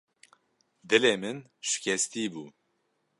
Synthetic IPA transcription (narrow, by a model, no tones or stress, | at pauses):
d̪ɨleːmɨn | ʃɪ̥kʰɛst̪iːbuː